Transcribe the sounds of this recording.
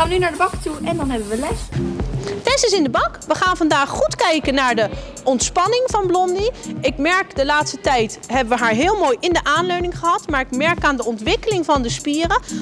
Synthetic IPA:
aːnʋənynaːɹdəbɑktuɛndɑnɦɛbəʋəlɛs | tɛjsəs̬ɪndəbɑkʋəχaːnvɑndaːχχutkɛjkənːaːɹdə | ɔntspɑnɪŋvɑnblɔndiɪkmɛɹkdəlaːtstətɛjtɦɛbəʋəɦaːɹɦɪːlˠmoːjʔɪndəʔaːnløɥnɪŋχəɦɑtmaːɹɪkmɛɹkaːndəɔntʋɪkəlɪŋvɑndəspiːrə

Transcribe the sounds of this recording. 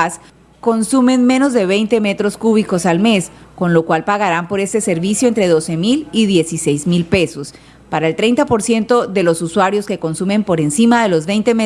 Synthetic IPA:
s | ko̞nsume̞nme̞no̞zðe̞βe̞jnt̪e̞me̞t̪ɾo̞skuβiko̞salme̞sko̞nlo̞kwalpaɣaɾampo̞ɾe̞st̪e̞se̞ɾβisjoent̪ɾe̞ðo̞se̞miliðje̞sise̞jzmilpe̞so̞s | paɾaelt̪ɾejnt̪apo̞ɾsje̞nt̪o̞ðe̞lo̞suswaɾjo̞ske̞ko̞nsume̞mpo̞ɾe̞nsimaðe̞lo̞zβe̞jnt̪e̞me

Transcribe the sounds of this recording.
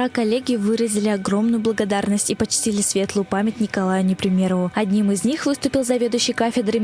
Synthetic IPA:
akɐlʲːeɡʲɪvɨɾəzʲɪlʲɪɐɡɾo̞mnʊjʊblˠəɡɐd̪arnəsʲtʲipɐt͡ɕtʲilʲɪsvʲe̞t̪lˠʊjʊpamʲɪt̚ʲnʲɪkɐlˠajʊnʲɪpɾʲɪmʲe̞ɾəvʊɐd̪ʲnʲimɨzʲnʲixvɨst̪ʊpʲɪlˠzɐvʲe̞d̪ʊjɕːɪjkafʲɪd̪ɾɨ

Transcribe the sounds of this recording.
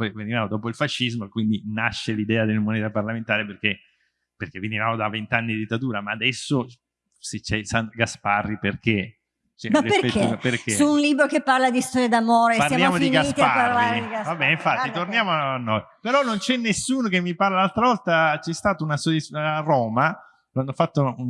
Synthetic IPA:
pɔjvenivaːmod̪ɔːpoilfaʃːizmokwind̪inaʃːelid̪ɛːad̪elmoneːt̪aparlament̪aːɾeperk̟e | perk̟evenivaːmod̪avent̪anːid̪id̪it̪ːat̪uːɾamaːd̪ɛsːo | set͡ʃːɛsanɡasparːiperk̟e | t͡ʃɛaɾepeɾeiaperk̟esuːnliːbɾokepːarlad̪ist̪ɔɾjad̪amoːɾepaɾljaːmod̪iɡast̪paarlaːivabːɛːneiɱfat̪ːit̪ornjaːmoanːojpeɾɔnːont͡ʃɛnːesːuːnokemːiparlalalt̪ɾavɔlt̪at͡ʃɛst̪aːt̪unasoirɔːma | loanːofat̪ːoun

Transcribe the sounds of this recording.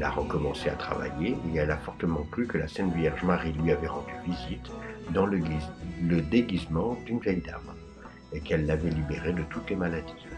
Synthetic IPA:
la̰ʁəkɔmɑ̃sea̰t̪χa̰va̰jeeɛlafɔʁt̪əmɑ̃kχykəlasɛnvjɛʁʒmaʁilɥiavɛʁɑ̃d̪yvizit̪d̪ɑ̃ləɡiləd̪eɡʲizmɑ̃d̪ynvjɛjd̪a̰m | ekɛlːavɛlibeʁed̪ət̪ut̪lemalad̪i̥

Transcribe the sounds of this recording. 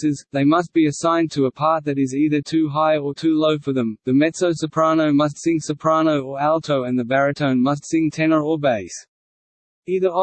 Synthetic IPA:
ɪzðeɪmʌs̬t̚b̥iɨsãɪ̃ntʰəəpʰɑˑɹt̪̚ðɨɾɨziðə˞tʰʉɦaɪə˞tʰʉloʊfə˞ðɨ̃mðɨmɛtsoʊsəpʰɹ̥ɑnoʊmʌs̬tsɪ̃ŋsəpʰɹ̥ɑnoʊə˞ælˠtʰoʊɨ̃nðɨbæɹɨtʰõʊ̃nmʌs̬tsɪ̃ŋtʰɛnə˞əbeɪs | iðə˞

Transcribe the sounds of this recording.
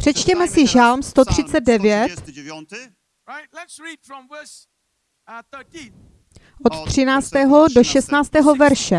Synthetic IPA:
pr̥ɛt͡ʃcɛmɛsɪʒalmst̪o̞t̪r̝̥ɪt͡sɛd̪̚dɛvjɛt̪ | if | ʔo̞t̪t̪r̝̥ɪnaːt͡st̪ɛːɦodoʃɛst̪naːt͡st̪ɛːɦo̞vɛɾʃɛ

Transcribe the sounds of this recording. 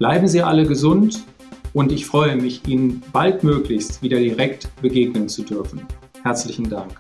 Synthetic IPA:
b̥laɪbm̩ziːʔa̰ləɡəzʊnt | ʔʊntɪçfʁ̥ɔʏəmɪçʔiːnənb̥altmøːklɪçstv̥iːdɐdiʁɛktb̥əɡeːɡnənt͡sudʏɐfn̩ | hɛɐt͡slɪçn̩daŋk

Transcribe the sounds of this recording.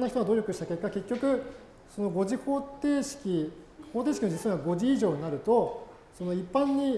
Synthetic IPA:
naçi̥t̪oɡad̪o̞ːɾʲo̞kɯ̟ɕi̥t̪ḁke̞kːake̞kʲːo̞kɯ̟ | so̞no̞ɡo̞ʑiko̞ːt̪e̞ːɕi̥kʲi | ko̞ːt̪e̞ːɕi̥kʲimod͡ʑit͡sɨaβaɡo̞ʑiːʑo̞ːɲ̟inaɾɯ̟t̪o̞ | so̞no̞ipːãɲ̟ːi

